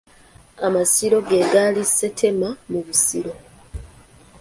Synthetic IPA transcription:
amasiɾo̞ɡeɡalisːe̞tʰe̞mamuβusiɾo̞

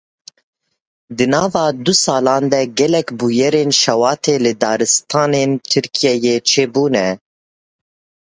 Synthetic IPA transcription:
d̪ɨnɑːvɑːd̪usɑːlɑ̃ːnd̪ɛɡɛlɛkbujɛɾeːnʃɛwɑːt̪ʰeːlɨd̪ɑːɾɨst̪ʰɑːneːnt̪ʰɨɾkʰijɛjeːt͡ʃʰeːbuːnɛ

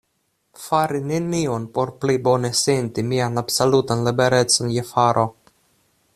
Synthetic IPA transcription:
faɾinenionpoɾplibonesent̪imianabsolut̪anlibeɾɛt̪sonjefaɾʔo

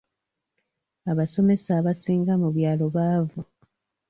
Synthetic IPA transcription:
aβaso̞me̞saβasiːŋɡamuβjaːlo̞βaːvu

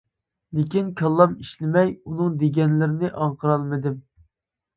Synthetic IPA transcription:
lɪkʲinkʲʰɑlˠːɑmiʃlɪmɛjunɨŋd̪eɡʲɛnlɪɾɪnɪʔɑɴqʰəɾɑlˠmɨd̪ɪm

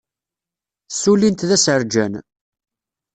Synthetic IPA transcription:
sulint̪ðæsəɾd͡ʒæn

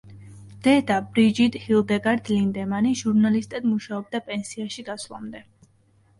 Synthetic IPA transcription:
d̪̥ɛd̪abɾid͡ʒid̪hilˠd̪ɛɡaɾd̪lind̪ɛmaniʒuɾnalist̪ʼɛd̪muʃaɔb̚d̪apʼɛnsiaʃiɡ̪aslˠa̰md̪ɛ

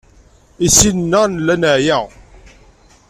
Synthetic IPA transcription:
isinnːənlːænəʕjæ

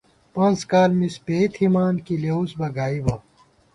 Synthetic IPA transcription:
pɐ̃nzkaːlmispeːt̪ʰhimaːnkileːusbɐɡaːibɐ

